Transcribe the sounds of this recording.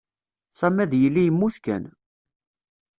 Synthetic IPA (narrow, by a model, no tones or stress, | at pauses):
sæmæðjəlːijəmːuθkæ̰n